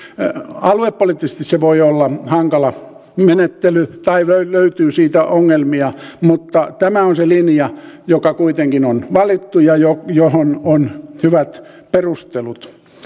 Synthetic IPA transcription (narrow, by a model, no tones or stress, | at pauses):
ɑluepːolit̪ːise̥s̆t̪isseʋoiolːɑhɑŋkɑlɑ | menet̪ːelyt̪ɑiøyløyt̪yːsiːt̪æoŋːelmiɑmut̪ːɑt̪æmæonselinjɑjokɑkuit̪eŋkinonʋɑlit̪ːujɑjojohononhyʋæt̪ | perust̪elut̪